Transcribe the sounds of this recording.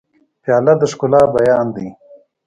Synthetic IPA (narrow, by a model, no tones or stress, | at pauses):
pjaːlɐd̪əʂkʊlaːbajaːnd̪i